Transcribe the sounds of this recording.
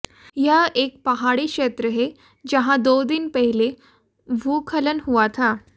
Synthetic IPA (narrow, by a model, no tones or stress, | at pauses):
jaʔek̚pəɦaɽikʂet̪ɾəɦe | d͡ʑəɦãd̪od̪inpəɦile | bʱukʰələnɦuʋat̪ʰa